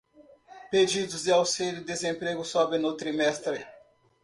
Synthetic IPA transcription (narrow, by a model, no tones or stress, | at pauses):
ped͡ʒid̪ʊzd̪ɪawsilʊd̪ezẽpɾeɡʊsɔbẽnʊt̪ɾimɛst̪ɾɪ